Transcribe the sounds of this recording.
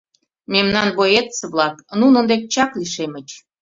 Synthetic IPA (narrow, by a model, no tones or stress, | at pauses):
memnɑnβojet̪t͡sə̆βlɑknunə̆nd̪ek̚t͡ɕɑkliʃemə̆t͡ɕ